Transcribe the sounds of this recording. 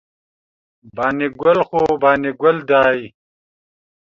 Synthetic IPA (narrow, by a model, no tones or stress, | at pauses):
baːniɡɐlxoːbaːniɡɐld̪aːj